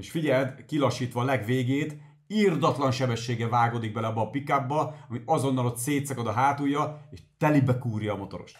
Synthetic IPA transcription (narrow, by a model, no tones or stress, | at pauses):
eʃfiɟɛld̪kilɒʃːiːt̪ʋɒlɛɡʋeːɡeːt̪ | ird̪ɒt̪lɒnʃɛbɛʃːeːɡɛvaːɡoːd̪iɡ̚bɛlɛɒbːɒːpikabːɒɒmiɒzo̞nːɒlo̞t̪seːt̪sɒkɒd̪ɒɦaːt̪ujɒeːʃt̪ɛlibɛkuːrjɒːmo̞t̪o̞ɾo̞̰ʃt̪